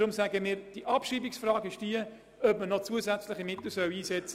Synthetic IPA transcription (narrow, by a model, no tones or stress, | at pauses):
ɾʊmsæːɡəmiːɾd̥iʔɑpʃiːbiksfrɑːɡɪʃd̥iə | œbmənɔt͡suəzæt͡slɪχimɪt̪l̩sœwiːsɛt͡sə